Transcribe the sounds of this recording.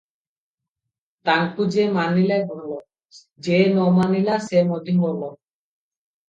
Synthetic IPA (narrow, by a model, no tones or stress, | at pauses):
t̪aŋkud͡ʒemanilaebʱɔlɔ | d͡ʒenɔmanilasemɔd̪iŋbɔlɔ